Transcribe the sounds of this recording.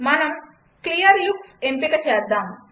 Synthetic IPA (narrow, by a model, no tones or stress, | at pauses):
mɐnɐm | klijɐɾjuksempikɐt͡ʃejɐɾd̪aːm